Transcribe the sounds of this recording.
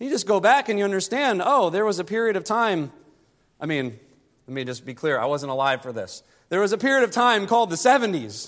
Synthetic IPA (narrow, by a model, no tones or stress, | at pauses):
jɨd͡ʒʌsɡ̥oʊbækɨ̃njɨʌ̃ndə˞stæ̃ndoʊðə˞wʌzɨpʰɪɹiɨɾʌv̥tʰãɪ̃m | aɪmĩn | lɛt̚mid͡ʒʌsb̥ikʰl̥ɪɹa̰ɪwʌzə̃n̩təlaɪv̥fə˞ðɪ̰s | ðə˞wʌzɨpɪɹiɨɾʌv̥tʰãɪ̃mkʰɔlˠd̪̚ðɨsɛvɨ̃ntiz̥